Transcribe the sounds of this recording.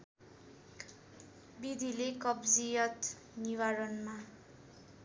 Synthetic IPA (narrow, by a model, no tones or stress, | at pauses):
bid̪ʱilekʌbd͡zijʌt̪ | niwaɾʌnma